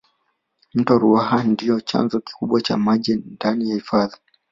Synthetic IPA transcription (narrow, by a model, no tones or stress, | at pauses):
m̩tɔɾuahandijɔt͡ʃa̰nzɔki̥kuɓwat͡ʃamaʄɛndanijahifaði